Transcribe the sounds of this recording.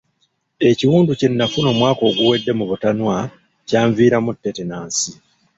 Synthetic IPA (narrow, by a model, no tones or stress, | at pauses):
e̞ciwuːnducenːafuno̞ːmwaːko̞ːɡuwe̞dːe̞muβutanwa | caːɱviːɾamutːe̞tenaːnsi